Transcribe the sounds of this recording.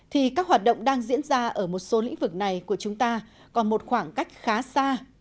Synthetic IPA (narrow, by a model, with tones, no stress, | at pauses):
t̪ʰi˨˩kaː˦˥k̚ɦwaː˨˩t̚ɗə̰˧˨wŋ͡mɗaː˧ŋzḭ˧˥ənzaː˧ʔəː˧˩mo˨˩t̚so˨˦lḭ˧˥ŋ̟vɨ˨˩k̚na˨˩jku˧˩ət͡ɕʊ˨˦ŋ͡mt̪aː˧ | kɔ˨˩nmo˨˩t̚xwaː˧˩ŋka˦˥jk̟̚xaː˨˦saː˧